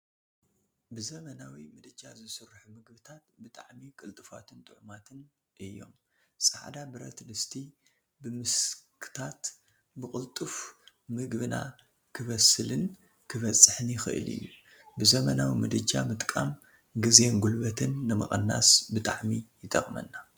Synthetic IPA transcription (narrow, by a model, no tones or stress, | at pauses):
bɨzɐmɐnawimɨd̪ɨd͡ʒʼazɨsɨrːħumɨɡbɨt̪ʰat̪bɨt̪ʼaʕmikʼɨlt̪ʼɨfa̰t̪ʰɨnt̪ʼɨʕumat̪ʰɨn | ʔɨjːo̞̰m | sʼaʕd̪abɨɾɐ̰t̪d̪ɨst̪ʰi | bɨmɨskʰɨ̥t̪ʰat̪ | bɨkʼɨlt̪ʼuf | mɨɡbɨna̰ | kʰɨβɐsɨlɨn | kʰɨβɐt͡sʼːɨħɨnjɪxɨʔɨ̰lɨ̰jːu | bɨzɐmɐnawimɨd̪ɨd͡ʒamɨt̪ʼkʼam | ɡɨze̞nɡulbɐt̪ʰɨnːɨmɐ̰xʼɐnːa̰sbɨt̪ʼa̰ʕmijɪt̪ʼɐχʼmɐ̰nːa